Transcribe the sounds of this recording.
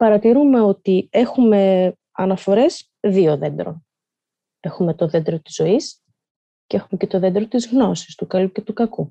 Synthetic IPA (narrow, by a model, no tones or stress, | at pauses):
pɐɾɐt̪iɾume̞o̞t̪ie̞xume̞ | ɐnɐfo̞ɾe̞s | ðio̞ðe̞nd̪ɾo̞̰n | e̞xume̞t̪o̞ðe̞nd̪ɾot̪i̥zːo̞is | ceexume̞cet̪o̞ðe̞nd̪ɾot̪izɣno̞si̥st̪ukɐluce̞t̪ukɐku